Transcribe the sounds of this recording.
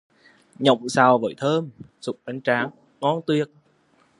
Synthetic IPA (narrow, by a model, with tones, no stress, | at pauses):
ɲə̰˧˨wŋ͡msaː˨˩wvə̰ː˧˩˦jt̪ʰəː˧m | su˨˩k͡p̚ʔa˨˦jŋt͡ɕaː˨˦ŋː | ɔ˨˦nt̪wi˨˩ək̚